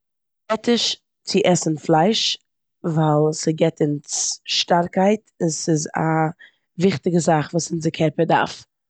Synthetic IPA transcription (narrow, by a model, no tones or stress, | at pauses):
ɛtɪʃ | t͡sɪʔɛsn̩flˠaɪʃ | vaɪlˠsɪɡɛtɪnsʃtaɾkaɪtɪsɪza̰ | vɪχtɪɡəzaχvuːsɪnzɪkʰɛɾpəda̰ɾf